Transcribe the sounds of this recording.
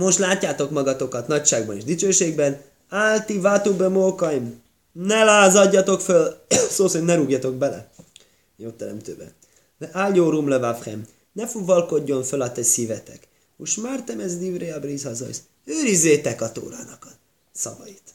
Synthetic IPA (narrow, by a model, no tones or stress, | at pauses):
mo̞ʃt̪laːcːaːt̪o̞kmɒɡɒt̪o̞kɒt̪nɒcʃaːɡbɒneːʒd̪it͡ʃøːʃeːɡbɛn | aːlt̪ivat̪ubømoːkɒim | nɛlaːzɒɟːɒt̪o̞kfølsoːsimnɛɾuɡjɒt̪o̞k̚bɛlɛ̰ | joːt̪ːɛɾɛ̰mt̪ø̰ːbɛ̰ | ɛʔaːlɟoːɾumlɛvafχɛ̰m | nɛfuvɒlko̞ɟːo̞ɱfølɒt̪ɛsivɛt̪ɛk | uʃmart̪ɛmɛzd̪ivreɒbrizhɒzɒ̰js | øːɾizːeːt̪ɛkɒt̪o̰ːɾa̰ːnɒkɒ | sɒvɒ̰it̪